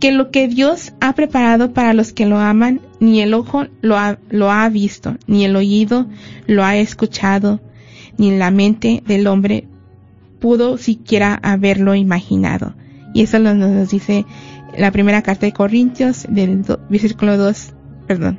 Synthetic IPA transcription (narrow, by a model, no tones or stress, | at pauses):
kelokeðjosapɾepaɾaðopaɾaloskeloamanːieloxoloaloaβist̪o̰nieloiðoloaeskut͡ʃaðo | ninlament̪eðelombɾḛ | puðosikjeɾaʔaβeɾloimaxina̰ðo̰ | ḭesolononozd̪iselapɾimeɾakaɾt̪aðekorint̪josd̪eldoβeɾssikuloðos | peɾðo̰n